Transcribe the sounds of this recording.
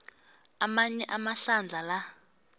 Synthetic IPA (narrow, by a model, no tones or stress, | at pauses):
amaɲɛʔamaɬand͡ɮʱala